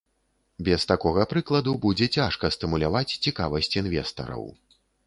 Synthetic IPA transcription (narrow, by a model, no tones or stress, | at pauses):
bʲɛst̪akɔɣɐpɾɨklˠɐd̪ubud͡zʲɛt͡sʲaʂkɐst̪ɨmulʲavat͡sʲt͡sʲikavɐsʲt͡sʲinvʲɛst̪ɐ̰ɾɐ̰w